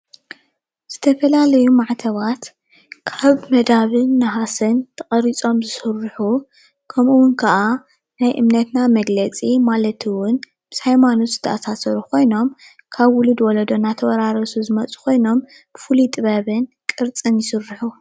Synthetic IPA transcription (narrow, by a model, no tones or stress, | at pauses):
z̥ɨt̪ʰɐfɐlalɐjumaʕt̪ʰɐβat̪ | kʰaβmɐd̪aβɨnːɐɦasɨnt̪ʰɐχʼɐɾit͡sʼo̞mzɨsɨrːħu | kʰɐmʔuwʊnkʰɐʔa | najʔɨmnɐt̪namɐɡlɐt͡sʼimalɐt̪ʰɨwʊn | b̥ɨshajmanot̪zɨ̥t̪ʰɐʔasasɐɾukʰo̞jno̞m | kʰaβwʊlud̪wɔlɐd̪o̞nat̪ʰɐwɐɾaɾɐsuzɨmɐt͡sʼu̥kʰo̞jno̞m | b̥ɨfulut̪ʼɨβɐβɨnkʼɨɾt͡sʼɨnjɪsɨrːɨħu